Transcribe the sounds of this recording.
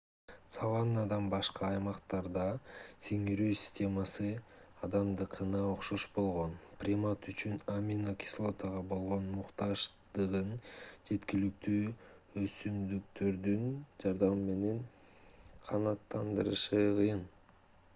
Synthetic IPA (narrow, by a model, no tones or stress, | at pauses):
savɑnɑd̪ɑmbɑʃqɑɑjmɑqt̪ɑɾd̪ɑseŋiɾyːsʲi̥sʲtʲe̞mɑsɯ | ɑd̪ɑmd̪ɯqʰɯnɑo̞qʃoʃbo̞lˠʁo̞nprʲimat̪yt͡ʃynamʲinokʲi̥slˠo̞t̪əʁɑbo̞lˠʁo̞nmuqt̪ɑʒd̪ɯʁɯnd͡ʒe̞t̪kilyk̚t̪yː | øsynd̪ykt̪ʰø̞ɾd̪ynd͡ʒɑɾd̪ɑmːe̞ne̞n | qʰɑnɑt̪ːɑnd̪ɯɾɯ̰ʃɯqɯjɯn